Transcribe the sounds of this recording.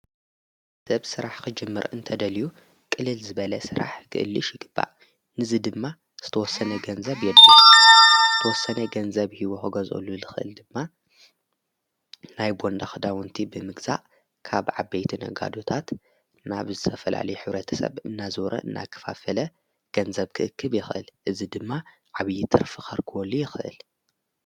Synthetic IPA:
sɐβsɨɾaħkɨd͡ʒɨmːɨ̰ɾɨ̰nt̪ʰɐd̪ɐliju | kʼɨlɨlzɨβɐlɐsɨɾa̰ħkʰɨ̰ʔɨlːɨʃjɪɡɨb̥ːa̰ʔ | nɨzɨd̪ɨmːa | z̥ɨt̪ʰɐwɔsːɐnɐɡɐnzɐβjɛd̪ːa | zɨt̪ʰɐwɔsːɐnɐɡɐnzɐβhiwoxɨɡɐzʔo̰luzɨxɨʔɨ̰ld̪ɨmːa | najbo̞nd̪axɨd̪awɨnt̪ʰibɨmɨɡz̥a̰ʔ | kʰaβʕabejt̪ʰinɐ̰ɡa̰d̪ot̪ʰat̪ | na̰βzɨt̪ʰɐfɐla̰lɐjuħɨβɾɐt̪ʰɐ̥sɐ̰βɨnːazɨwɾʔɐ̰ʔɨnːa̰kʰɐ̥fafɐlɐ | ɡ̥ɐnzɐβkʰɨʔɨkʰːɨβjɪxʔɨ̰lʔɨzid̪ɨmːa | ʕaβjːit̪ʰɨɾfɨxɐɾkʰɨwɔlːujɪxɨʔɨ̰l

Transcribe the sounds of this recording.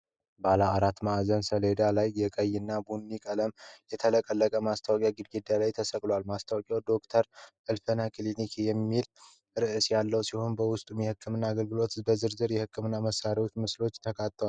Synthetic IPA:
balaaɾat̪maʔzənsəle̞d̪alajjɛkʼəjːɪnːabunːikʼələmjɛt̪ʰələkʼəlːəkʼəmast̪ʰawakʼjaɡɨd̪ɡed̪alajt̪ʰəsəkʼlwalmast̪ʰawakʼjawd̪o̞kt̪ʰəɾ | ɨlfənakʰʼlinikʰejɛmːil | ɾɨʔɨsjalːəwsiho̞nbəwʊst̪ʼumjɛhɨkʰːɨmɨnːaːɡəlɡɨlo̞t̪bəzɨɾzɨɾjɛhɨkːɨmɨnːaməsːaɾiwo̞t͡ʃːmɨslo̞t͡ʃːt̪ʰəkʰat̪ːəwal

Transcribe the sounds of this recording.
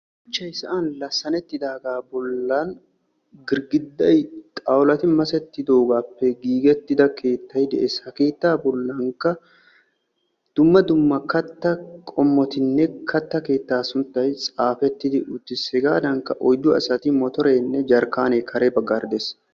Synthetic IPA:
ʊt͡ʃːɐjsɐʔaːnlɐsːɐnɛt̪ːɪd̪aːɡaːbɔlːɐn | ɡɪɾɡɪd̪ːɐjt̪ʼɐwlɐt̪ɪmɐsɛt̪ːɪd̪oːɡaːpːɛɡiːɡɛt̪ːɪd̪ɐke̞ːt̪ːɐjd̪ɛʔeːshɐke̞ːt̪ːaːbɔlːɐŋkɐ | d̪̥ʊmːɐd̪ʊmːɐkɐt̪ːɐkʼɔmːɔt̪ɪnːɛkʰɐt̪ːɐke̞ːt̪ːaːsʊnt̪ːɐjt͡sʼaːfɛt̪ːɪd̪ɪʔʊt̪ːɪsɛɡaːd̪ɐŋkɐʔɔjd̪ːʊɐ̰sɐt̪ɪmɔt̪ɔɾe̞ːnːɛd͡ʒɐɾkaːneːkʰɐɾebɐɡːaɾd̪es

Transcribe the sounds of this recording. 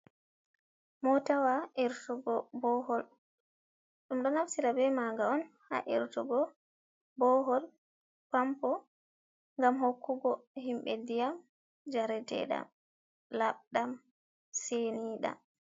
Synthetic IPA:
mɔtawaʔiɾtuɡɔbɔhɔl | ɗumɗɔnafsiɾabɛmaɡaɔnha̰ʔḭɾtuɡɔ | bɔɦɔl | pampɔ | ŋɡamhokːuɡɔhimɓɛdijam | d͡ʒaɾɛdɛ̰ɗa̰m | laɓɗam | seniɗa̰

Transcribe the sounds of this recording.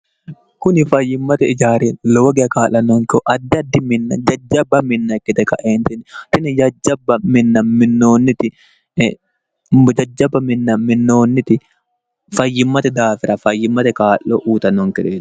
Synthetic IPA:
kʊnɪfɐjːɪmːɐt̪ɛɪd͡ʒaːɾɛloːɡɛɐkaːlːɐnːɔŋkɪɔʔɐd̪ːɐd̪ːɪmɪnːɐd͡ʒɐd͡ʒːɐbːɐmɪnːɐkːɪt̪ɛkɐʔeːnt̪ɪnɪt̪ɪnɪd͡ʒɐd͡ʒːɐbːɐmɪnːɐmɪnːoːnːɪt̪ɪ | d͡ʒɐd͡ʒːɐbːɐmɪnːɐmɪnːoːnːɪt̪ɪ | fɐjːɪmːɐt̪ɛd̪aːfɪɾɐfɐjːɪmːɐt̪ɛkaːlːoʔuːt̪ɐnːɔŋkɪᶑɛ̥

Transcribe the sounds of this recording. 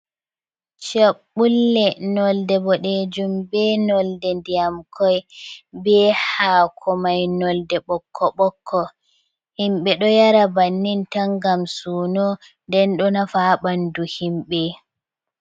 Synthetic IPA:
t͡ʃaɓːulːɛnɔldɛbɔɗed͡ʒumbɛnɔldɛndijamkʰɔjbɛhaːkʰɔmajnɔldɛɓɔkʰːɔɓɔkʰːɔ | himɓɛɗɔjaɾabanːintaŋɡamsuːnɔ | ndɛnɗɔnafaːɓanduhimɓɛ

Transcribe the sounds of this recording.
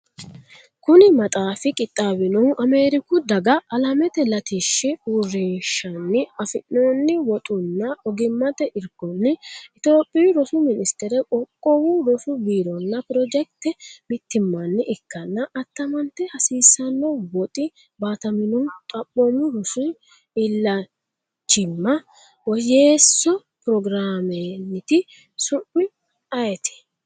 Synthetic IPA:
kʊnɪmɐt̪ʼaːfɪkʼɪt̪ʼːaːwɪnɔʔɐme̞ːɾɪkʊd̪ɐɡɐɐlɐmɛt̪ɛlɐt̪iʃːɪurːɪnʃɐnːɪɐfɪʔːoːnːɪwɔt̪ʼʊnːɐʔɔɡɪmːɐt̪ɛʔɪɾɡɔnːɪɪt̪oːpʼːɛjɾɔsʊmɪnɪst̪ɛɾɛkʼɔkʼːɔwuɾɔsʊbiːɾɔnːɐpɪɾɔd͡ʒɛk̚t̪ɛmɪt̪ːɪmːɐnːɪʔɪkːɐnːɐʔɐt̪ːɐmɐnt̪ːɛhɐsiːsːɐnːɔwɔt̪ʼɪ | baːt̪ɐmɪnʊnt̪ʼɐpʼːɔmːʊɾɔsʊ | ɪlːɐ | t͡ʃːɪmːɐ | wɔjeːsːɔ | pɾɔɡɾaːmenːɪt̪ɪ | sʊpːɪ | ɐjɛt̪ʰɪ̥

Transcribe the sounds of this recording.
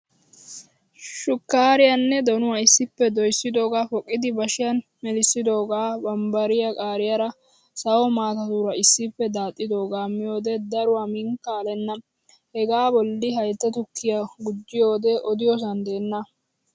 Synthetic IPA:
ʃʊkːaːɾɪjɐnːɛd̪ɔnʊwaɪsːɪpːɛd̪ɔjsːɪd̪o̞ːɡaːfɔkʼːɪd̪ɪbɐʃɪjɐn | mɛlɪsːɪd̪o̞ːɡaːbɐmbɐɾɪjɐkʼaːɾɪjɐɾɐ | sɐwɔmaːt̪ɐt̪uːɾɐɪsːɪpːɛd̪aːt̪ʼːɪd̪o̞ːɡaːmːɪjo̞ːd̪ɛd̪ɐɾʊwaːmɪŋkːaːlɛnːɐ | hɛɡaːbɔlːɪɦɐjt̪ːɐt̪ʊkʰːɪjɐɡʊd͡ʒːɪjo̞ːd̪ɛʔɔd̪ɪjɔs̬ɐnd̪e̞ːnːɐ

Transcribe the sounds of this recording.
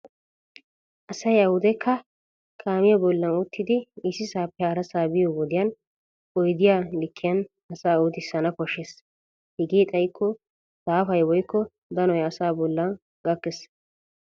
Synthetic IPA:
ʔɐsɐjɐhʊd̪ɛkʰːɐ | kʰaːmɪjɐbɔlːɐnuːt̪ːɪd̪ɪɪsɪsaːpːɛaːɾɐsaːbɪjɔwɔd̪ɪjɐn | ɔjd̪ɪjalɪkʰːɪjɐn | ɐsaːuːt̪ɪsːɐnɐkɔʃes | hɪɡeːt̪ʼɐjkʰːɔ | saːfɐjwɔjkːɔ | d̪ɐnɔjɐsaːbɔlːɐn | ɡɐkːɛs

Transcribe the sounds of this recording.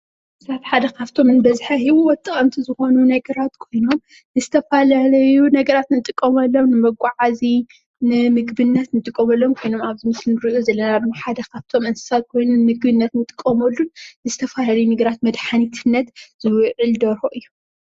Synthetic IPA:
saβħad̪ɐkʰaβt̪ʰo̞mɨnbɐzħahiwuwɔt̪ʼɨχʼɐmt̪ʰizɨxo̞nunɐɡɐɾat̪kʰo̞jno̞m | nɨzɨt̪ʰɐfalalɐjunɐɡɐɾat̪nɨt̪ʼɨkʼːɐmɐlːo̞mnɨmɐɡʷaʕazi | nɨmɨɡbɨnːɐt̪nɨt̪ʼɨkʼːɐmɐlːo̞mkʰo̞jno̞maβzɨmɨslɨnɨɾɨʔʼuzɐlːɐnad̪ɨmoħad̪ɐkʰaβt̪ʰo̞mɨnsɨ̥sat̪̚kʰo̞jnunmɨɡbɨnːɐt̪nɨt̪ʼɨ̥kʼːɐmɐlːunnɨzɨt̪ʰɐfalalɐjunɐɡɐɾat̪mɐd̪ħanit̪ʰɨnːɐt̪z̥ɨwʕɨld̪ɐɾoʔɨjːu

